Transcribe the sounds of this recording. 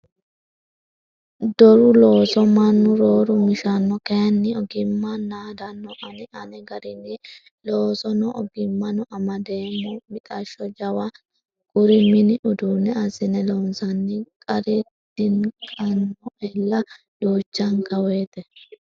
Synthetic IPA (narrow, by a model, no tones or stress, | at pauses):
d̪ɔɾʊloːsɔmɐnːʊɾoːɾʊmɪʃɐnːɔkɛjɐnːɪɔɡɪmːanːaːd̪ɐnːɔʔɐnɪʔɐnɛɡɐɾɪnːɪ | loːsɔnɔʔɔɡɪmːɐnɔʔɐmɐd̪eːmɔmɪt̪ʼɐʃɔd͡ʒɐwɐ | ɡ̥ʊɾɪmɪnɪʔʊd̪uːnɛɐsɪnɛlɔnsɐnːɪkʼɐɾɪ | d̪̥ɪnkʼɐnːɔʔɛlːɐ | d̥oːt͡ʃːɐŋkɐweːt̪ɛ